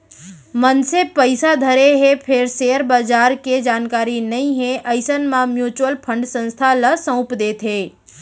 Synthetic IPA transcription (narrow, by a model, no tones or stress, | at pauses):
mənsepəɪsad̪ʱəɾeɦepʰɪɾseːəɾbaːd͡ʒaːɾked͡ʒaːnkaːɾinɐĩɦẽʔɐɪsənmãmjuːt͡ʃwəlpʰə̃ɳɖsə̃nst̪ʰalɐsə̃ʊpd̪eːt̪ɦeː